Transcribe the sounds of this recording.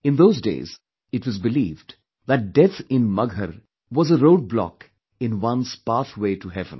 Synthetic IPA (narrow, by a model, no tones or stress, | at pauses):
ɨ̃nðoʊzdḛɪz | ɨtwʌzbɨliːvd | ðɨʈ̚ɖ̥ɛθɪ̃nmʌɡʱəɾ | wɔzəɾoʊɖ̚blɔ̰k | ɪ̃nwʌ̃nz̥paːθweɪʈuɦɛvə̃n